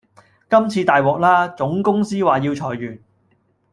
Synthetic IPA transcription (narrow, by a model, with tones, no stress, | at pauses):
kɐ˥mt͡sʰiː˧t̪aː˨jwɔː˨k̚laː˥t͡sʊ˨˥ŋkʊ˥ŋsiː˥waː˨˩jiː˧wt͡sʰɔː˨˩jːyː˨˩n